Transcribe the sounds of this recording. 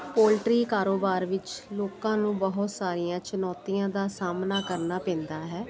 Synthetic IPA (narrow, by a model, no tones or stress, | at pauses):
poːlʈɾiːkaːɾoːbaːɾʋɪt͡ʃloːkãːnũːbəɦʊt̪saːɾijãːt͡ʃənɔːt̪ijãːd̪aːsaːmnaːkəɾnaːpɛ̃ːnd̪aːɦɛː